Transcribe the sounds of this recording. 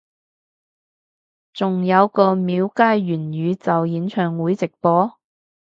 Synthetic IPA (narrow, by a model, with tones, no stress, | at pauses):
t͡sʊ˨ŋjɐ˨˧wkɔː˧miː˨˧wkaː˥jɥyː˨˩njyː˨˧t͡sɐ˨wjiː˨˧nt͡ʃʰœː˨ŋwuː˨˥jt͡sɪ˨k̚pɔː˨˥